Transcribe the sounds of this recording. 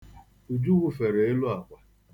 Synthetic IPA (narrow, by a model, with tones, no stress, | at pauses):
u˨d͡ʒu˦ɣu˦fe˨ɾe˨e˦lu˦a˨kʷa˨